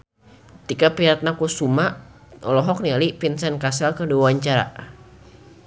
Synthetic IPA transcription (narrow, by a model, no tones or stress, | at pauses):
t̪ikapiɾat̪̚nakusuma | ɔlɔɦɔk̚nialipinsankasalkəduaaɲt͡ʃaɾa̰